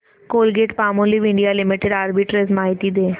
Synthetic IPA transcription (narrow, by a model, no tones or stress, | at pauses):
koːlɡeːʈpaːmõliʋɪ̃ɳɖijalɪmɪʈeɖaːɾbiʈɾezmaːɦɪt̪id̪eː